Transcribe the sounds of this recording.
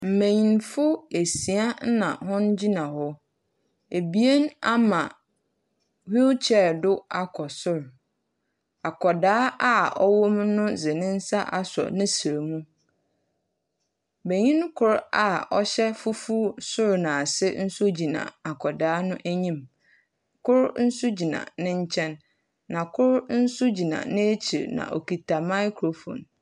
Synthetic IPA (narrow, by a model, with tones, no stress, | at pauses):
m̩˨mẽ˨ɲĩ˨nfʊ˦e˨si˨a˦n˦nã̰˨hʊ̃˦nd͡ʑi˦nã˨hɔ˦ | e˨bi˦e˦na˦mã˨ | hu˦t͡ɕʰɛ˨ɾdʊ˦a˦kʰɔ˨sʊ˦ɾ | a˨kʰɔ˨daː˦a˦ɔ̰˦wʊ˦mnʊ̃˦zɪ˨nɪ̃˦n̩˦sa˦ʔa˦sɔ̰˨nɪ̃˦si˨ɾe˨mũ˦ | be˨ɲĩ˦n˦kʰʊ˦˨ɾa˨ɔ˦ɕɛ˦fu˦fu˦sʊ˦ɾnã˨sɪ˦n̩˦su˦d͡ʑi˨nã̰˨a˨kʰɔ˨daː˦nʊ̃˦ʔæ˦ɲĩ˦m | kʰʊ˦ɾn̩˦sʊ˦d͡ʑi˨nã̰˨nɪ̃˦ɲ̩˦t͡ɕʰɛ̃˦nː | ã˨kʰʊ˦ɾn̩˦sʊ˦d͡ʑi˨nã̰˨nɪ̃˦e˦t͡ɕʰi˨ɾnã̰˨ʔɔ̰˨ki˨tʰa˨mã˦jkʰɾo˨fõ̰˨n